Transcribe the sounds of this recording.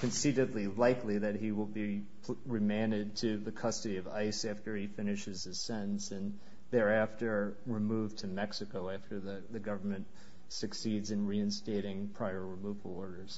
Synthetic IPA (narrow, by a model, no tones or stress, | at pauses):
kʰɨ̃nsiɾɨdˡlilaɪkliðɨt̚ɦiwəlˠbi | ɹɨmæ̃ndɨd̚tʰɨðɨkʰʌstɨɾiʌva̰ɪsæftə˞ifɪnɨʃɨz̥ɨz̥sɛ̃ʔn̩sɨ̃n | ðə˞æftə˞ | ɹɨmuvtʰɨmɛksɨkoʊæftə˞ðɨðɨɡʌvə˞mɨ̃nt̚ | sɨksidzɨ̃nɹiɨ̃nsteɪɾɪ̃ŋpʰɹ̥aɪə˞ɹɨmuvl̩ˠɔɹɾə˞z̥